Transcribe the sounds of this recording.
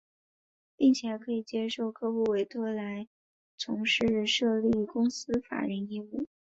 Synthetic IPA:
pi˥˩ŋt͡ɕʰjɛ˨˧˩kʰɤ˧˥i˨˩t͡ɕjɛ˥ʂo˥˩ʊkʰɤ˥xu˥˩we˧˥ɪt̪ʰwɔ˥˩la˧˥ɪ | t͡sʰʊ˧˥ŋʂɻ̩˥˩ʂɤ˥˧li˥˩kʊ˥ŋsɹ̩˥fa̰˨˩ɻə˧˥ni˥˧u˥˩

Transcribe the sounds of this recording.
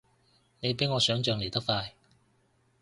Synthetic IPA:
ne˨˧jpe˨˥jŋɔː˨˧sœː˨˥ŋt͡ʃœː˨˧ŋle˨˩t̪ɐ˥k̚faː˧j

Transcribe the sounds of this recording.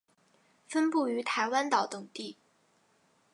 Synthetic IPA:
fə˥npu˥˩y˧˥t̪ʰa˧˥ɪwa˥nt̪ɑ˨˩ʊt̪ʊ˨˩ŋt̪i˥˩

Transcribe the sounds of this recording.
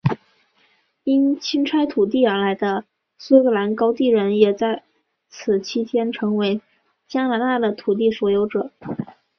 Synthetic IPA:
i˥nt͡ɕʰi˥nʈ͡ʂʰa˥ɪt̪ʰu˨˩t̪i˥˩ə˞˧˥la˧˥ɪd̪ə˧ | swe˥kɤ˧˩la˧˥nkɑ˥ʊt̪i˥˩ɻə˧˥njɛ˨˩t͡sa˥˩ɪ | t͡sʰɹ̩˨˩t͡ɕʰi˥t̪ʰjɛ˥nʈ͡ʂʰɤ˧˥ŋwe˧˥ɪ | t͡ɕja˥na˧˥t̪a˥˩d̪ə˩t̪ʰu˨˩t̪̬i˥˩swɔ˨˩jo˧˥ʊʈ͡ʂɤ˨˩˦

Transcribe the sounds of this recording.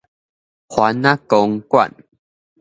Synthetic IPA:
hwa˨˦nːã˦kɔ˧ŋkwa̰˨n

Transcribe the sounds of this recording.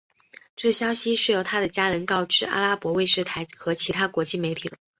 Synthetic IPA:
ʈ͡ʂɤ˥˩ɕjɑ˥ʊɕi˧˥ʂɻ̩˥˩jo˨˩ʊt̪ʰa˥d̪ə˨t͡ɕja˥nə˧˥nkɑ˥˧ʊʈ͡ʂɻ̩˥a̰˥la˥pwɔ˧˥we˥˧ɪʂɻ̩˥˩t̪ʰa˧˥ɪxɤ˧˥t͡ɕʰi˧˥t̪ʰa˥kwɔ˧˥t͡ɕi˥˩me˧˥ɪt̪ʰi˨˩lə˦

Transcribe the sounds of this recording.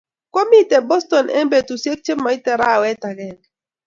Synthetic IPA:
ko˦mi˦tɛ˨bɔ˦stɔ˨nʔɛ̰˦mbe˨tu˨sje˦k̚t͡ʃe˦mːa˨˦i˦tɛ˨ɾa˦˨wɛ˦ta˨ɡɛ˨n

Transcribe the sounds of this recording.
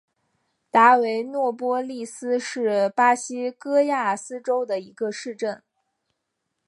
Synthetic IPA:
t̪a˧˥we˧˥ɪnwɔ˥˩pwɔ˥li˥˩sɹ̩˥ʂɻ̩˥˩pa˥ɕi˥kɤ˥ja˥˩sɹ̩˥ʈ͡ʂo˥ʊd̪ə˨i˧˥ɡə˧ʂɻ̩˥˧ʈ͡ʂə˥˩n

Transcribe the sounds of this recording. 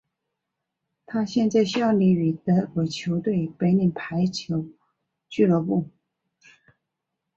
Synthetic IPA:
t̪ʰa˥ɕjɛ˥˧nt͡sa˥˧ɪɕjɑ˥˩ʊli˧˥˩y˨˩t̪ə˧˥kwe˨˩ɪt͡ɕʰjo˧˥ʊt̪we˥˩ɪpe˧˥ɪni˨˩npʰa˧˥ɪt͡ɕʰjo˧˥ʊ | t͡ɕy˥˧lə˧˥pu˥˩

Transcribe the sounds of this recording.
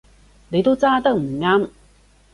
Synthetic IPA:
ne˨˧jt̪o˥wt͡saː˥t̪ɐ˥k̚m̩˨˩ŋaː˥m

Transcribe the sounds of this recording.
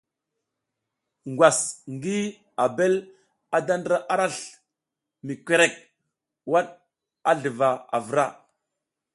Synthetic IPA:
ŋɡwa˨sŋɡi˦ | a˨be˦l | a˨da˦ndɾa˦ʔa˦ɾa˦ɬ | mi˨kʷe˨ɾe˦˨k̚ | wa˦ɗ | a˦ɮə˨va˨a̰˨və˨ɾa̰˦˨

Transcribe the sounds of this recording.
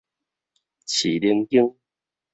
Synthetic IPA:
t͡ɕʰi˨˩li˧ŋki˦ŋ

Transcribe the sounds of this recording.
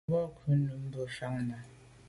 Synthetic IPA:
ɔ˦˨kʰu˦nu˨m̩˦bə˨fa˦ŋna˨

